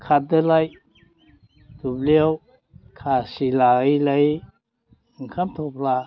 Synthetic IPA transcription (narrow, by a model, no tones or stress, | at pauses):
kʰat̚d̪əlaj | t̪ubliəw | kʰasilajləj | ŋkʰamt̪ʰopʰla